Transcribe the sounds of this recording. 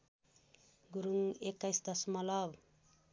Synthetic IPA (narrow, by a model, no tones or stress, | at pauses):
ɡuɾuŋekːajsd̪ʌsmʌlʌb